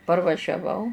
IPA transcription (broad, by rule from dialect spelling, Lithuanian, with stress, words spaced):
pɐrʋɐʒʲɛˈʋɐʊ